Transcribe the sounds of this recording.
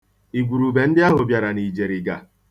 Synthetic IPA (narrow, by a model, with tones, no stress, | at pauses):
i˨ɡʷu˨ɾu˨be˨n̩˦dɪ˦a˦ɦʊ˨bja˨ɾa˨ni˨d͡ʒe˨ɾi˨ɡa̰˨